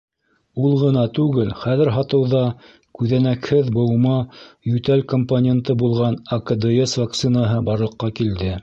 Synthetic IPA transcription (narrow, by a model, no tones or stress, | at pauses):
ulˠʁɤ̆nɑt̪ʉɡɘlχæðɘ̆ɾɦɑt̪ɤ̆wðɑ | kʉðænækhɘðbɤ̆wmɑjɵt̪ælkomponʲent̪ɤbulˠʁɑnɐkɐd̪eesvak̚t̪sɨnaɦɤbɑɾlˠɤ̆qːɑkild̪ɘ